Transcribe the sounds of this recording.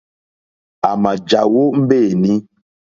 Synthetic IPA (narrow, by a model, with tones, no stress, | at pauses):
a˨ma˨d͡ʒa˨wo˦m̩˦be˦˨nĩ˦